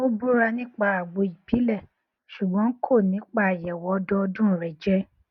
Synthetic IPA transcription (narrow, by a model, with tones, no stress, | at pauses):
o˦bu˦ɾa˧nĩ˦k͡pa˧a˨ɡ͡bo˧i˨pi˨˦lɛ˦˨ | ʃu˨ɡ͡bɔ̃˨˦kʰo˦˨nĩ˨˦k͡pa˦˨jɛ˨wɔ˨˦dɔ˧ɔ˧dũ˦˨ɾɛ˨d͡ʒɛ˦